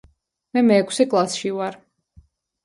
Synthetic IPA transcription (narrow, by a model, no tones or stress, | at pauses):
mɛmɛːkʰsɛkʼlˠasʃivaɾ